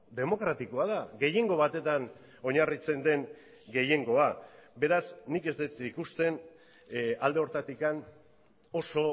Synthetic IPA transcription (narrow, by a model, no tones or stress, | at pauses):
d̪e̞mo̞kɾat̪iko̞að̞aɣe̞je̞ŋɡo̞β̞at̪e̞t̪an | o̞ɲarit͡se̞nd̪e̞ŋ | ɡe̞je̞ŋɡo̞abe̞ɾasnike̞zd̪et̪ikust̪e̞n | ald̪e̞o̞ɾt̪at̪ikan | o̞so̞